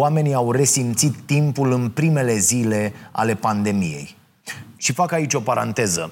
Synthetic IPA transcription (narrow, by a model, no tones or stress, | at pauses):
ame̞niawre̞simt̪sit̪ːimpulɨnpɾime̞le̞zile̞a̰le̞pand̪e̞mḭje̞̰j | ʃifakait͡ʃʲo̞paɾa̰nt̪e̞zə̰